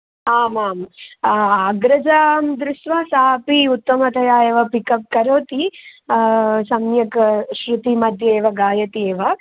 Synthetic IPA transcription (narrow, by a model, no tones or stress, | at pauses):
aːmaːm | aːɡɾɐd͡ʒamd̪ɾusʋaːsaːpiut̪ːɐmɐt̪ɐjaːjeʋɐpikɐp̚kɐɾoːt̪i | sɐmjɐkʃɾut̪imɐd̪ʱjɐeːʋɐɡaːjɐt̪ieːʋɐ